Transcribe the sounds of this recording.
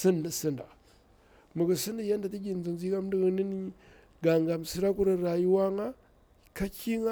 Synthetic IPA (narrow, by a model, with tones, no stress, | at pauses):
si˦na˨si˦nda̰˨ | mu˨ɡə˨si˦ndi˨ja˦nda˨ti˦ɡʲi˨n˦d͡zu˨nzi˦ka˦m˦di˦ɣə˦ni˦ni˦ | ɡa˨ŋɡa˨m˨si˦ɾa˦ku˦ɾə˨ɾa˨ju˦wa˦ŋa˦ | ka˦ki˦ŋa˦